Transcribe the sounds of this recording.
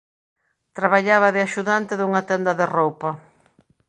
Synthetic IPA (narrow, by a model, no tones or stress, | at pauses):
t̪ɾaβaʎaβɐðɪaʃuðant̪ɪðuŋɐt̪ɛnd̪ɐðerowpɐ